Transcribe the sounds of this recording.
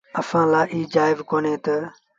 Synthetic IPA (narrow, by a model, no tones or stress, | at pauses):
əsãːlaːʔiːd͡ʒaːɪʋkoːneːt̪ə